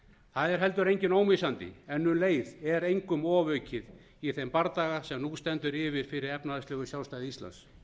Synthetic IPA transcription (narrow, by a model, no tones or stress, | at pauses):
θaðɛɾ̥ɦɛl̪t̪ʏɾejɲcɪnoːwmisant̪ɪ̰ɛnːʏnleːjðɛɾejŋkʏmɔːvœːɥcɪð | iθempaɾt̪aːɣasɛmnust̪ɛnt̪ʏɾɪvɪɾ̥fɪɾɪɾɛpnaðast̪lœːɣʏsjawst̪aːðɪist̪a̰ns